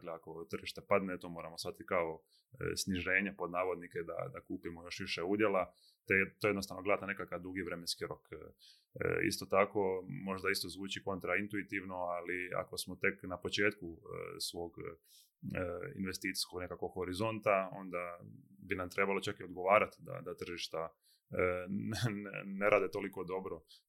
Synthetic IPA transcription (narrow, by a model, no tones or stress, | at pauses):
kleako̞t̪rʒiʃt̪e̞pad̪net̪oːmo̞ːɾamosat̪it̪̚kao̞ | sniʒe̞ːɲepo̞d̪naːʋo̞d̪niked̪a̰d̪akuːpimojo̞ʃʋiʃeud̪jela | t̪et̪ːojenosaʋnoɡleat̪ane̞kakaʋd̪uɡiʋɾemenskiɾo̞k | ḭst̪o̞t̪ako̞mo̞ʒd̪aist̪ozʋuːt͡ʃiko̞nt̪ɾaint̪uit̪iʋno̞alia̰ko̞smot̪e̞knapot͡ʃe̞ːt̪kṵsʋo̞ːɡ | ḭnʋe̞st̪iːt̪si̥sko̞ɡne̞kako̞ɡho̞ɾizo̞nt̪ao̞̰nd̪abinamt̪ɾe̞balot͡ʃakio̞d̪ɡo̞ʋaːɾat̪d̪a̰d̪at̪r̩ʒiʃt̪a | nn̰neɾʔaːd̪e̞t̪o̞liko̞d̪o̞bɾo